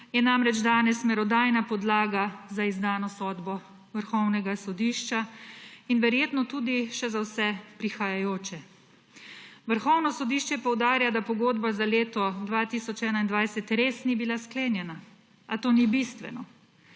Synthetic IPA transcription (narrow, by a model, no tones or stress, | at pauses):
jɛnamɾɛd͡ʒd̪aːnɛsmɛɾɔd̪aːjnapɔd̪laːɡazaizd̪aːnɔsɔːd̪bɔ | ʋəɾxɔwnɛɡasɔd̪iːʃt͡ʃainʋɛɾjeːt̪nɔt̪uːd̪iʃɛzawsɛpɾixajajoːt͡ʃɛ | ʋəɾxɔwnɔsɔd̪iːʃt͡ʃɛpɔwd̪aːɾjad̪apɔɡoːd̪bazaleːt̪ɔd̪ʋaːt̪iːsɔt͡ʃɛːnaind̪ʋajsɛt̪ɾeːsnibilaskleːnjɛna | at̪oːnibist̪ʋɛ̰nɔ